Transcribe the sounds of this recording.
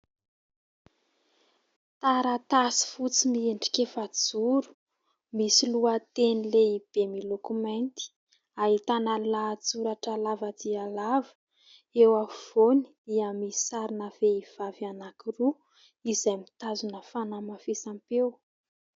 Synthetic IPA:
t̪aɾat̪asi̥fut͡simieɳɖ͡ʐi̥kʲefad͡zuɾu̥ | misiluat̪enileib̥emilokumant̪i̥ | aɦit̪analad͡zuɾaʈ͡ʂalavad̪ialavə̥ | ewav̥oni̥d̪iamii̥saɾinəveiv̥avanakiru | izajmit̪azunəfanamafesampew

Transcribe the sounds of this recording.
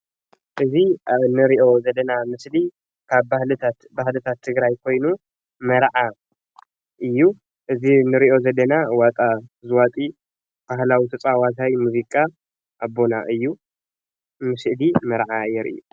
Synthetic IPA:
ʔɨzinɨɾiʔo̞zɐd̪ɐnamɨsli | kʰaβbahlɨt̪ʰat̪bahlɨt̪ʰat̪ʰːɨɡɾajkʰo̞jnu | mɐɾʕa | ʔɨjːu | ʔɨzinɨɾiʔo̞zɐd̪ɐnawat̪ʼazɨwat̪ʼi | b̥aɦlawit̪ʰɐt͡sʼawat̪ʰajmuzikʼa | ʔːbːo̞naʔɨjːu | mɨslimɐɾʕajɛɾʔḭu

